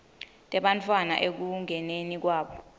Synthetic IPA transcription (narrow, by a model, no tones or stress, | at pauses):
tʼɛɓantʰʼwana̰ʔek̬uŋʱɛnenik̬waːɓɔ